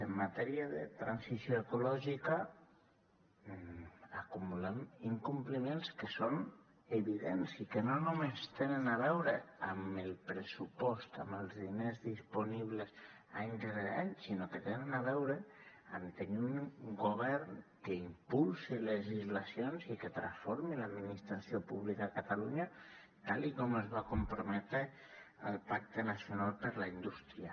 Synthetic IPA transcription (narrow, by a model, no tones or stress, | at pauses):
emːat̪ɛɾiaðḛt̪ɾansisjoekolɔʒika | akumulemiŋkumplimenskeson | eβiðensikenonumest̪enenaβ̞ɛwɾeamelˠpɾesupɔst̪a̰melˠzðinezðisponiβ̞les | aɲzðeaʎsinoket̪enenaβɛwɾea̰nt̪eɲuŋɡoβ̞ɛɾnkeimpulsileʒizlasjonziket̪ɾasfoɾmilad̪minist̪ɾasjopuβlikakat̪aluɲa | t̪alikomezβakompɾomet̪e | alpak̚t̪enasjonalˠpəɾlaind̪ust̪ɾia